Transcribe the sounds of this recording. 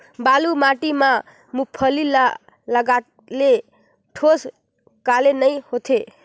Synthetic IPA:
balumaʈima | mupʰʌlila | ləɡa | le | ʈʰos | kalenəjhot̪ʰe

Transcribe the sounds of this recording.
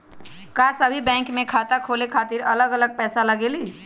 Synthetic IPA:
kaːsəbʱibɛ̃ːŋkmẽkʰaːt̪akʰoːlekʰaːt̪ɪɾɐləɡɐləɡ̚pɛːsalɐɡeːliː

